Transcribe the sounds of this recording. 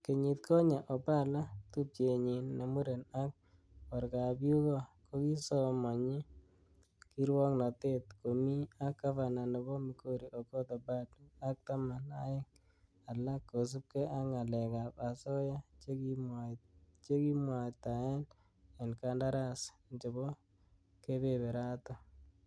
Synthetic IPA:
ke˨ɲi˨t̪̚kʰo˦ɲa˨ʔɔ˨pa˦la˦t̪u˦p̚t͡ʃe˨ɲi˨nne˨mu˦ɾe˨na˦k̚ | ɔ˨ɾka˨bju˦kɔ˦ko˦ki˦sɔ˦mɔ˨ɲi˦ | ki˦ɾwɔ˦ŋnɔ˨te˦t̪ko˨mi˦a˦kːa˦fa˨na˨ne˨bɔ˦mi˨ko˦ɾi˨ʔo˨kɔ˦t̪ɔ˨ba˦da˦k̚t̪a˦ma˨na˦jɪ˦ŋ | a˨lːa˦kːo˨s̬u˦p̚kɛ˦ʔa˦ŋa˨lɛ˨ka˨pa˨sɔ˦ja˦t͡ʃekimat͡ʃe˦ki˦mwa˨t̪a˨ɛ˦l | a˨nka˦nda˦ɾa˦s | nt͡ʃe˨bɔ˦ | ke˦be˨be˨ɾa˦tɔ˦

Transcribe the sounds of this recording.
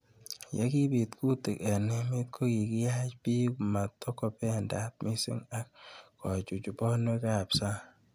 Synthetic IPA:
ja̰˦ki˦pi˨tkʰu˦te˨kɛ˨ne˦mi˦t̚kʰo˦ki˨ki˦ja˦t͡ʃpi˦kma˨tːɔ˦kɔ˨pɛ˦nda˦t̚mi˦sḭ˦ŋa˦kː | ɔ˨t͡ʃu˨t͡ʃu˨pɔ˦nwe˦ka˨psa˦

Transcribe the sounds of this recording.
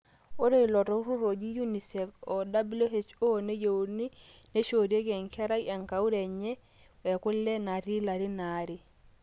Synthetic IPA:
o˦ɾo˦i˨lɔ˨tɔ˦u˦ɾu˦ɾo˨d͡ʒi˦ju˦ni˨sɛ˨fɔ˨da˦blo˦ɦe˨t͡ʃo˦o˨ne˦je˨u˨ni˦ne˦ʃo˨ɾe˦k̬ɛ˨ŋkʰɛ˦ɾa˦i˦ɛ˨ŋka˨u˦ɾɛ˨ɲɛ˦ | wɛ˨kʊ˦lːɛ˦na˨ɾi˦la˨ɾi˦na˨ɾi˨

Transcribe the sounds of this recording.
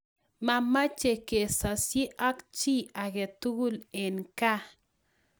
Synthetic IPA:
ma˦ma˦t͡ʃe˨ke˨sa˨si˦ʔa˦kt͡ʃi˦a˨ɡe˨t̪u˦ɡu˦le˨nka˦

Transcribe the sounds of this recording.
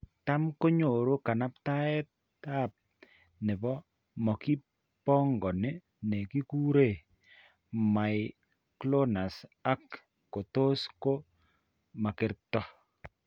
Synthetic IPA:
ta˦mko˦ɲo˨ɾo˦ka˨na˦pta˦ɛ˦t | ta˦˨p̚ | nɛ˨bɔ˦ | mɔ˨ki˦ | pɔ˦ŋɡɔ˨ne˦ | ne˨ki˦ku˦ɾe˦˨ | ma˨j | klo˦na˨sa˦kː | o˨to˦sko˦ | ma˨kɪ˨ɾtɔ˦

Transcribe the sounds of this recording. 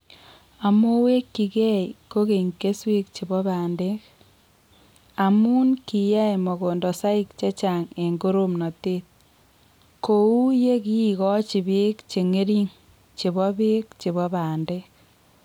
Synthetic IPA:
a˨mo˦we˦kːi˨kɛ˦iko˦ke˨ŋke˦swe˦k̚t͡ʃi˨bɔ˦baː˨nde˦k | a˨mu˦nki˨ja˦jmɔ˨ko˨ndɔ˨sa˦i˦k̚t͡ʃe˦t͡ʃa˨ŋe˨ŋɡo˦ɾo˦mnɔ˨te˦t̚ | ko˨u˦je˦kiː˦˨kɔ˦t͡ʃi˨be˦kt͡ʃe˨ŋe˦ɾi˦ŋ | t͡ʃe˨βɔ˦be˦kt͡ʃe˨βɔ˦baː˨nde˦k̚

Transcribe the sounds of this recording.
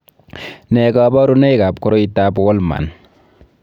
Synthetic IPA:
nɛ˨kabɔ˦ɾu˦nɛ˦jka˨pkɔ˦ɾo˦itːa˦bɔ˦lma̰˨n

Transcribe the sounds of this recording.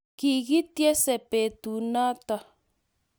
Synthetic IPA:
ki˨ɣi˦t̪je˦se˨pe˨t̪u˨nã˦t̪a˨

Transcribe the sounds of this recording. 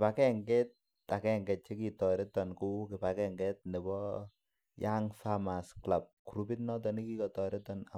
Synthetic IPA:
kpa˨kɛ˦ŋɡɛ˦t̚ː | a˨kɛ˦ŋɡɛ˨t̚t͡ʃe˦ki˨tɔ˨ɾɛ˦tɔ˨nku˦kɪ˨pa˨kɛ˦ŋɡɛ˦t̚nɛ˨bɔ˦ | ja˦ŋfama˨skla˨p̚ku˨ɾubi˦tnɔ˦t̬ɔ˨ni˦ki˦kɔ˨tɔ˨ɾɛ˦tɔ˨na˨

